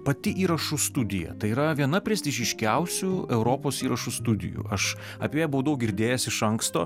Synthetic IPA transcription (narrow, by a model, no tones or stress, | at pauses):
pɐt̪ʲɪʔiːɾɐʃust̪ʊd̪ʲɪjɛ̰t̪ɐɪiːɾɐʋʲiɛnɐpʲɾʲeɛsʲt̪ʲɪʒʲɪʃʲkʲɛʊsʲʊɛʊɾoːpoːsiːɾɐʃust̪ʊd̪ʲɪ̰jṵʔɐʃ | ɐpʲejɛbuʋɐd̪ɐʊɡʲɪɾʲd̪ʲeːjɛsɪʃɐŋkst̪o̰ː